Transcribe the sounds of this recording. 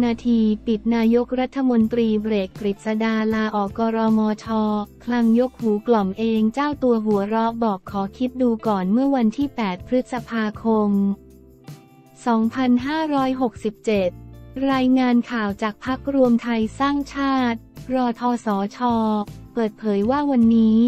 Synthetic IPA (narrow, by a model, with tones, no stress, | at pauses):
naː˧t̪ʰiː˧pi˨˩t̪̚naː˧jo˦˥k̚ɾa˦˥t̪ʰːa˧mo˧nt̪ɾiː˧bɾeː˨˩k̚t̪ɾi˨˩t̪̚sa˧daː˧laː˧ʔɔː˨˩kɔː˧ɾɔː˧mɔː˧t͡ɕʰɔː˧kʰla˧ŋjo˦˥k̚huː˩˦klɔ˨˩mʔeː˧ŋt͡ɕaː˥˩wt̪u˧ɐɦu˩˦əɾɔ˦˥bɔː˨˩p̚kʰɔː˩˦kʰi˦˥t̪̚duː˧kɔː˨˩nmɯ˥˩ɐwa˧nt̪ʰiː˥˩pɛː˨˩t̪̚pʰɾɯ˦˥t̪̚sa˧pʰaː˧kʰo˧m | sɔː˩˦ŋpʰa˧nɦaː˥˩ɾɔː˦˥jɦo˨˩k̚si˨˩p̚t͡ɕe˨˩t̪̚ɾaː˧jŋaː˧nkʰaː˨˩wt͡ɕaː˨˩k̚pʰa˦˥k̚ɾu˧əmt̪ʰa˧jsaː˥˩ŋt͡ɕʰaː˥˩t̪̚ɾɔː˧t̪ʰɔː˧sɔː˩˦t͡ɕʰɔː˧pɤː˨˩t̪̚pʰɤː˩˦jwaː˥˩wa˧nːiː˦˥